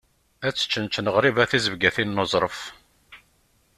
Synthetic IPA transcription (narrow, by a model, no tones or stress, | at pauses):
æt͡sːə̥t͡ʃːənt͡ʃnəʁɾivæθizəvɡæθinːozˤɾˤəf